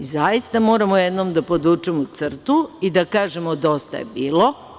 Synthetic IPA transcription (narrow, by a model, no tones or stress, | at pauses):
izajist̪amo̞ːɾamojed̪nomd̪apo̞d̪ut͡ʃemot̪sr̩t̪uid̪akaːʒemod̪o̞st̪a̰jḛbiːlˠo̞